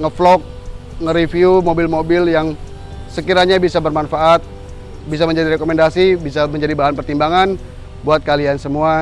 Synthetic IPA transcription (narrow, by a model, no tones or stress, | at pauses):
ŋəflɔk̚ | ŋəɾifiumobɪlmobɪljaŋ | səkiɾaɲabisabərmanfaat̪̚ | bis̬aməɲd͡ʒadiɾekomendasibisaməɲd͡ʒadibaɦanpərt̪imbaŋan | buat̪̚kaliansəmua